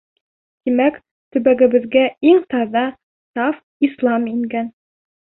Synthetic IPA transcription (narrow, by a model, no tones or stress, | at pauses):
t̪imæk | t̪ɵ̆βæɡɘ̆βɘ̆ðɡæiŋt̪ɑðɑ | t̪ɑf | islˠɑmiŋɡæn